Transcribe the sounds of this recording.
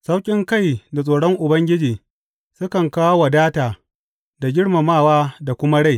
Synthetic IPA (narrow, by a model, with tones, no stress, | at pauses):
sa˦wkʲʼɪ˦ŋka˦˨jda˨sʼoː˨ɽɔ˦ŋʔʊ˨bɐ˦ŋɡʲɪ˦d͡ʒiː˨ | sʊ˦kɐ˨ŋkaː˦wa˨daː˦taː˨ | da˨ɡʲɪ˦ɽma˨maː˦˨waː˦da˨kʷʊ˦ma˦ɽa˦˨j